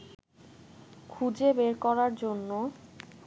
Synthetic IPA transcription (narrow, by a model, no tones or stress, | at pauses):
kʰud͡ʑebeɾkɔɾaɾd͡ʑonːo